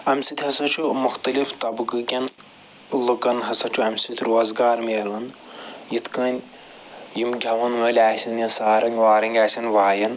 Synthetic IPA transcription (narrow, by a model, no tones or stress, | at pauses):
ɐmsit̪ʰʲɦɐsɐt͡ʃʰumuxt̪ɐlift̪ɐbɡɨkʲɐn | lɨkɐnɦɐsɐt͡ʃʰuɐmʲsit̪ʰʲɾoːzɡaːɾmeːlɐnjit̪ʰkɐːnʲ | jimɡʱʲɐʋɐnʋɐːlʲaːsʲɐnjɐnsaːɾɐŋɡʲʋaːɾɐŋɡʲaːsʲɐnʋaːjɐn